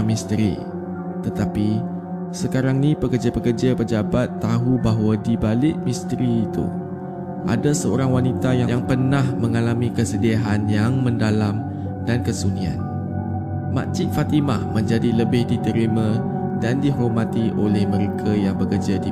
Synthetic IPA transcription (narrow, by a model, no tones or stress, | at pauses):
mist̪əɾḭ | t̪ət̪api | səkaɾaŋnĩpəkərd͡ʒapəkərd͡ʒapəd͡ʒabat̪ːaɦubaɦwadibalɪʔ̚mĩst̪ɾiːt̪ṵ | ʔa̰dasəoɾaŋwanit̪ajajaŋpərnahmə̃ŋalamĩkəsədiaɦanjaŋmə̃ndalam | dankəsunia̰n | ma̰t͡ʃɪʔ̪̚fat̪ima̰hmə̃ɲd͡ʒadiləbɪhdit̪əɾimã | dandiɦomãt̪iʔolɛhmə̃ɾekʰajaŋbəkərd͡ʒadi